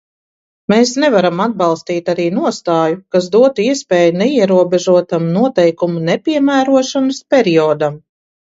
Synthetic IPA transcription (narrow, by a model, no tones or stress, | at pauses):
meːsnɛvaɾamad̪̚balˠst̪iːt̪aɾiːnuɔst̪aːjukas̬d̪uɔt̪uiɛspʲɛːjunɛiɛɾuɔbeʒuɔt̪amnuɔt̪ɛjkumunɛpʲiɛmæːɾuɔʃanɐspʲɛɾiɔːd̪am